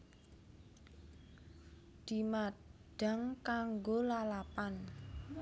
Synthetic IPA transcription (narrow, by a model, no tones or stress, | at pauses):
d̪̥i̤maɖ̥a̤ŋkaŋɡolalapan